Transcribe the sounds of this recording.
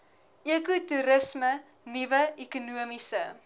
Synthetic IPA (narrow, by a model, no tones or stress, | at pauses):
ʔekutuɾəsmə | nivəikunuəmisə